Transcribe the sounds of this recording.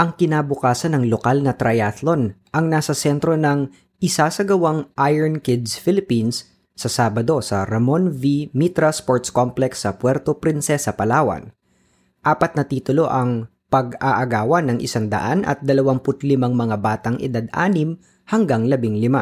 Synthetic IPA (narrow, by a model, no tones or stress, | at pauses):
ʔɐŋkɪnabʊkaːsɐnːɐŋlokalnɐt̪ɾɐjat̪lo̞nʔɐŋnaːsɐsɛnt̪ɾo̞nɐŋ | ʔɪsaːsɐɡɐwaŋʔajɛɹnkɪd̪sfɪlɪpinsː | ɐsaːbɐd̪o̞sɐ̰ɾɐmonvimit̪ɾaspoɹt̪skomplɛksːɐpwɛɾt̪opɾɪnsɛsɐpɐlaːwɐ̰n | ʔaːpɐt̪nɐt̪iːt̪ʊlo̞ʔɐŋ | pɐɡaʔɐɡaːwɐnːɐŋʔɪ̰saŋd̪ɐ̰ʔanʔɐ̰t̪̚d̪ɐlɐwaŋpʊt̪lɪmaŋmɐŋabaːt̪ɐŋʔɪ̰d̪ad̪̚ʔa̰ːnɪm | hɐŋɡaŋlɐbɪŋlɪma